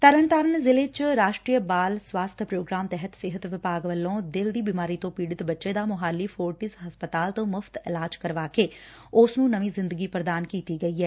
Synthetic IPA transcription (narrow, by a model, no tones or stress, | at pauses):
t̪əɾəɳt̪aɾənzɪlet͡ʃɾaːʃʈɾiːəbaːlswaːst̪ʰpɾoːɡɾaːmt̪ɛɦət̪sɪɦət̪ʋɪpaːɡʋəlːõːd̪ɪld̪iːbiːmaːɾiːt̪õːpiːɽɪt̪bətːʃed̪aːmʊɦaːlːiːfʰoːɾʈɪsɦɐspət̪aːlt̪õːmʊft̪ɪlaːd͡ʒkəɾʋaːkeː | ʊsnũːnəʋĩːzɪ̃nd̪əɡiːpɾəd̪aːnkiːt̪iːɡəiːɦɛː